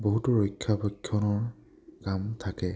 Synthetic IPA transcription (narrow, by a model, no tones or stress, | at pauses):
boɦutʊɹɔjkʰːjabɔkʰːjɔnɔɹ | kamtʰakɛ